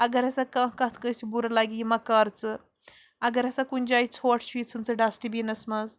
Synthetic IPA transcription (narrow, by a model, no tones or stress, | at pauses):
ɐɡɐɾɐsakãːkɐt̪ʰkɐ̃sibuɾɐlaɡiimɐkaːɾt͡sɨ | ɐɡɐɾɐsakunʲd͡ʒaːjit͡sʰoːʈʰt͡ʃʰuit͡sʰɨnt͡sɨɖasʈibinɐsmɐz